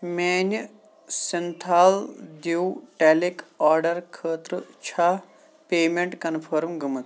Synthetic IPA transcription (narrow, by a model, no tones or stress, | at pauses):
meːn | sent̪ʰaːld̪iwʈɛːlikaːɾɖɐɾkʰəːt̪ɾɨt͡ʃʰa | peːmeɳʈkɐnpʰɐɾmɡəmɨt̪